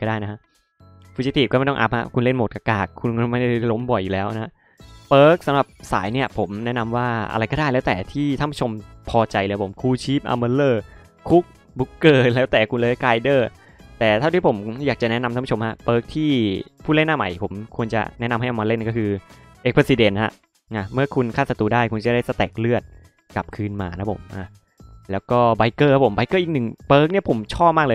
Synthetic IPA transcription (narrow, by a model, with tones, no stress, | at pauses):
kɔː˥˩daː˥˩jna˦˥kʰa˦˥ʔ | fʰu˧t͡ɕiː˧˦˥t̪ʰiː˨˩kɔː˥˩ma˥˩t̪ɔ˥˩ʔa̰˦˥p̚ha̰˦˧˥kʰu˧nle˥˩nmo˨˩t̪̚ka˧kaː˨˩kʰːu˧nkːma˥˩jda˥˩˧lo˦˥mbɔ˨˩jːuː˨˩lɛː˦˥wʔa˦˥ | pɤː˦˥k̚sa˨˦mɾa˨˩p̚sa̰ː˩˦jni˥˩ɐpʰo˩˦mnɛ˦˥na˧mwaː˥˩ʔa̰˧ɾa˧jkɔ˥˩aː˥˩jlɛː˦˥wt̪ɛː˨˩t̪ʰiː˥˩t̪ʰa˥˩pʰu˦˥˩t͡ɕʰo˧mpʰɔː˧t͡ɕa˧jləː˧jpʰo˩˦mkʰuː˧t͡ɕʰiː˦˥p̚ʔa̰˧mə˧lɤː˥˩ | kʰu˦˥k̚ | bu˦˥kːɤː˧˩lɛː˦˥wt̪ɛː˨˩kʰu˧nlɤː˧˦˥kaː˧jdɤː˥˩ | t̪ɛː˨˩t̪ʰa˥˩w̪ʰi˥˩pʰo˩˦mjaː˨˩k̚t͡ɕa˨˩ʔnɛ˦˥na˧ma˥˩pːt͡ɕʰmha˦˥b̥ɤː˦˥k̚t̪ʰiː˥˩pʰuː˥˩˨le˥˩nːaː˥˩ma̰˨˩˦jpʰo˩˦mkʰu˧ənt͡ɕa̰˨˩nɛ˦˥na˧mɦa˥˩jʔa˧maː˧le˥˩n˧˦kɔ˥kʰɯː˧ʔe˦˥k̚pʰɾsi˧de˧nha̰˦˥ʔ | na˧˩mɯ˥˩ɐkʰu˧nkʰaː˥˩sa˧t̪uː˧daː˥˩jkʰu˧nt͡ɕa˧˨˩da˥˩sa˧t̪ɛː˨˩k̚lɯ˥˩ət̪̚ | ka˨˩p̚kʰɯː˧nmaː˧a˦˥pʰo̰˩˦mʔa˧˩ | lɛː˦˥wkɔː˥˩ba˨˧jkɤː˥˩ha˦˥pʰo˩˦mba˧jkɤː˥˩ʔːk̚nɯ˨˩ŋbɤː˦˥k̚ni˥ɐpʰo˩˦mt͡ɕʰɔː˥˩p̚maː˥k̚lɤː˧